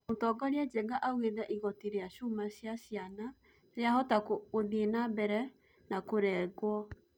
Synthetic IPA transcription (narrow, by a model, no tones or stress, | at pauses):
otɔɡɔɾead͡ʒɛɡaʔaɣweðɛʔiɣɔteɾeaʃumaɕjaɕjana | ɾeahɔtakooðenabɛɾɛ | nakoɾɛːɣwɔ